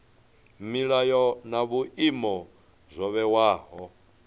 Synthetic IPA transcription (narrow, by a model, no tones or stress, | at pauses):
miɺajɔnaβuʔimɔ | zʷɔβɛwaːɦɔ